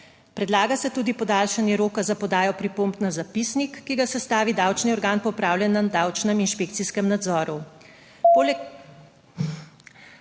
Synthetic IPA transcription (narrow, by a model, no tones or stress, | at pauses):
pɾɛd̪laːɡasɛt̪uːd̪ipɔd̪aːlʃanjɛɾoːkazapɔd̪aːjɔpɾipoːmbnazapisnikːiɡasɛst̪aːʋid̪awt͡ʃniɔɾɡaːnpɔpɾaːwljɛnːad̪aːwt͡ʃnɛminʃpeːkt̪siskɛmnad̪zɔːɾu